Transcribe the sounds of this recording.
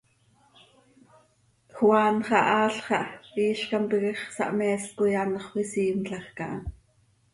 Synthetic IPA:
xwɑːnχɑ̰ʔɑːɬχɑʔiːʃkɑmpiɣɛχsɑ̰ʔmɛːskʊjɑnχwisiːmɬɑxkɑʔɑ

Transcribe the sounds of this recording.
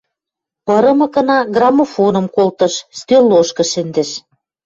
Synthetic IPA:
pɤ̆ɾɤ̆mɤ̆kɤ̆nɑɡrɑmofonɤ̆mkolt̪ɤ̆ʃst̪øloʃkɤ̆ʃɘ̆nd̪ɘ̆ʃ

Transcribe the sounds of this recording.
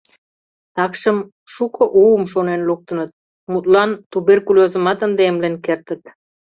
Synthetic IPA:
t̪ɑkʃə̆m | ʃukɤ̆ʔuəmʃonenluk̚t̪ə̆nə̆t̪̚ | mut̪lɑnt̪uberkulʲozə̆mɑt̪ənd̪emlenkert̪ə̆t̪

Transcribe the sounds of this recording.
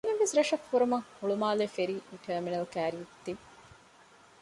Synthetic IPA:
neʋesɾɐʂɐkːuɾumɐŋhuɭumaːlefeɾiːʔiɳʈʰəːminɐlkæːɾijet̪ːi

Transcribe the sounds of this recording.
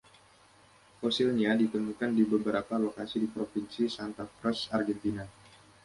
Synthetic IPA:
fosilɲadit̪əmukandibəbəɾapalokasidipɾofinsisant̪afɾɛsarɡɛnt̪ina

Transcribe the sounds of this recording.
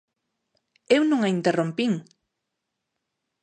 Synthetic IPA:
ewnũŋaint̪erompiŋ

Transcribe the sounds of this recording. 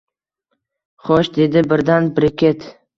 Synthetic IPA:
χɔʃd̪e̞d̪ɪbɪɾd̪anbɪɾɪkʲe̞t̪

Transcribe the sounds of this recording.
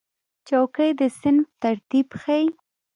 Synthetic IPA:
t͡ʃawkəjd̪əsɪnft̪aɾt̪ibxaj

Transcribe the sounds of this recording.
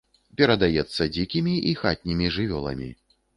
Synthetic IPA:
pʲɛɾɐd̪ajɛt̪sːɐd͡zʲikʲimʲiʔixat̪̚ʲnʲimʲiʐɨvʲɔlˠɐ̰mʲḭ

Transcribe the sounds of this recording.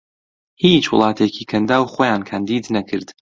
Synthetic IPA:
hiːt͡ʃwʊ̰lˠɑːt̪ʰeːciːkʰɐnd̪aːwχoːjaːnkʰaːnd̪iːd̪nɐkʰɨɾd̪

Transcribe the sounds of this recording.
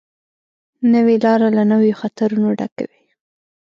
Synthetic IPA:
nəwelɑɾalanəwjoxat̪aɾunoɖa̰ka̰wi

